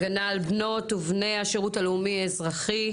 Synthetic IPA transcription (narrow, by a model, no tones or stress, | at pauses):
ɡanaːlbno̞tuvne̞jaʃeʁutaleumiezʁaχi